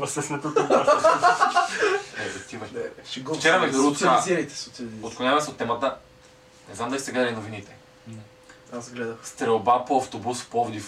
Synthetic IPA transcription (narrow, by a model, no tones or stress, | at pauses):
vɐsɛsnɛt̪ot̪t̪ | ɛzot̪ivɐɡt͡ʃɛɾɐmɛd̪ɾuɡʊt̪okazɛɾit̪ɛ̥sot̪ɛot̪̚konʲavɐsɛot̪ːɛmət̪ə | nɛznamd̪ɐlisɛɡlad̪ɐlʲinovinit̪ɛ | azɡlɛd̪əxst̪ɾɛlˠbapoɐft̪obuspɔvod̪i